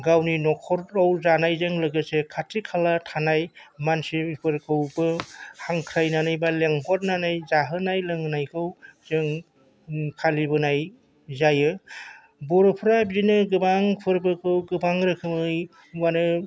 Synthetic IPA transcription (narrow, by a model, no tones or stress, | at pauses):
ɡawninɔkʰɔɾawzanajzɯŋlɯɡɯsekʰatʰikʰalatʰanajmansiipʰɯɾkʰɯwbɯhaŋkʰɾajnanajbaleŋɦʰɔt̚nanajzaɦɯnajlɯŋnajkʰɯwzɯŋ | kʰalibɯnaj | zajɯ | bɔɾɔpʰɾabzinɯɡɯbaŋpʰɯɾbɯkʰɯwɡɯbaŋɾɯkʰɯmɯj | wanɯ